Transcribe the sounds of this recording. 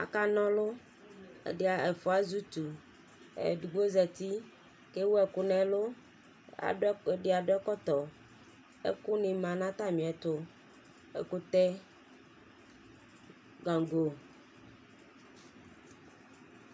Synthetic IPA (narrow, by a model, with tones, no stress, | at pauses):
a̰˨ka˦nɔ̃˦lo˦ | ḛ˨de˦a˨e˨fo˨˦a˦zu˦t̪u˨ | ḛ˨ɖu˨ɡ͡bo˦zɛ˨t̪i˦ | ke˦wo˦ɛ˨ku˦nɛ̃˨lo˦ | a̰˨˦e˨ɖe˦a˨ɖo˦ɛ˦kɔ˦t̪ɔ˨ | ḛ˦ku˦nĩ˨mã˨nã˦t̪a˦mĩ˨ɛ˨t̪o˦ | ḛ˨ko˦t̪ɛ˦ | ɡa˨ŋ˨ɡo˨